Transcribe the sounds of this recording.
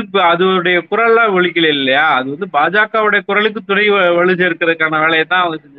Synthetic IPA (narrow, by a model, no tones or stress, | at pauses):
ɐðɯɽɐjɐkʊɾɐɭãːʋɔɭɪkːɪlɐɪlːɐjaːɐðɯʋɐnd̪ɯbaːd͡ʒaːkaːʋɯɽɐjɐkʊɾɐɭɯkːɯt̪ʊɽɐɪʋɐɭɯsɐɪɾɯkːɪɾɐðɯkːaːnɐʋeːɭɐjɐt̪ːãːɐʋɐŋɡɐsɛɲd͡ʒɐ